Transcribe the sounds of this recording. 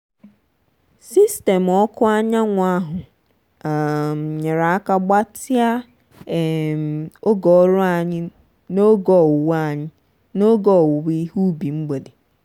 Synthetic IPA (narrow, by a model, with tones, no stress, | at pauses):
si˦ste˨mɔ˦kʰʊ˦a˦ɲa˦ŋʷʊ˨˦a˦ɦʊ˨ | a˨m˨ɲɪ˨ɾa˨a˦ka˦ɡ͡ba˦tɪ˦a˦˨ | mo˦ɡɔ˨ɔ˦ɾʊ˦a˨ɲɪ˦ | no˦ɡɔ˨wʊ˨wa˨ɲɪ˦ | no˦ɡɔ˦˨wʊ˨wi˦hu˦bi˨ŋ͡m̩˦ɡ͡be˨de˨